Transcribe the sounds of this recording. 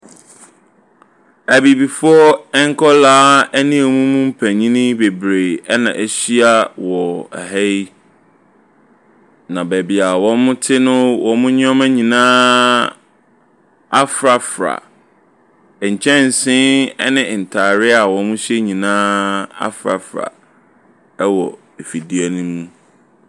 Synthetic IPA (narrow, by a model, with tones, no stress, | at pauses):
æ˨bi˨bi˨fʊ˦ɔ˦ɛ˦ŋ̩˦kʰɔ˦laː˦æ˦nĩ˦e˨mũ˦mũ˦m̩˦pʰæ̃˨ɲĩ˦nĩ˦be˨bɾe˨ɛ˦nã̰˨ʔɛ˦ɕi˦a˦wɔ˨æ̰˨ɦæ˦i˦ | nã˨bæ˨bi˨a˨wɔ̃˦mʊ̃˦tʰɪ˦nʊ̃˦wɔ̃˨mʊ̃˦ɲ˦ɔ̃˦mæ̃˦ɲĩ˨nã˦ | a˦fɾa˨fɾa̰˨ | ɲ̩˨t͡ɕʰɛ̃˦n˨sɪ̃˦nɛ˦nɪ̃˨n̩˨tʰaː˨ɾɪ˦a˨wɔ̃˨˦nmʊ̃˦ɕɛ˦ɲĩ˨nãː˦a̰˦fɾa˨fɾa̰˨˦ | wɔ˨ | e˨fi˨di˨a˨nũ˦mũ˦